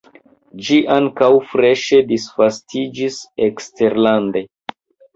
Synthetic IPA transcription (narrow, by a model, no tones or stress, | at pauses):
d͡ʒiʔaŋkawfɾe̞ʃe̞disfastʰid͡ʒisekste̞ɾlande̞